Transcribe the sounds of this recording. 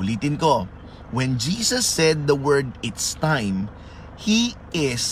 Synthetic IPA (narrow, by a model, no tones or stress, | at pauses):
ʊliːt̪ɪnko | wɛ̃nd͡ʒiːsɐsːɛd̪̚ːɐwɛɹd̪ɪt̪st̪ãjm | hiʔɪs